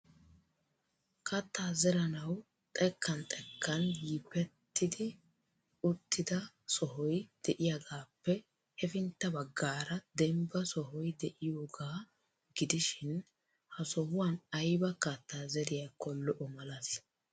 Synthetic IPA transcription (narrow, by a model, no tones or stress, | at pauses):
kʰɐt̪ːaːzɛɾɐnɐw | t̪ʼɛkːɐnt̪ʼɛkʰːɐnjiːpɛt̪ːɪd̪ɪ | ʊt̪ʰʼːɪd̪ɐ | sɔɦɔjd̪̥ɛʔɪjaɡaːpːɛ | hɛfɪnt̪ːɐbɐɡːaːɾɐd̪ɛmbɐsɔɦɔjd̪ɛʔɪjoːɡaː | ɡ̥ɪd̪ɪʃɪn | hɐsɔhʊwanɐjbɐkɐt̪ːaːzɛɾɪjɐkɔlːɔʔɔmɐlɐs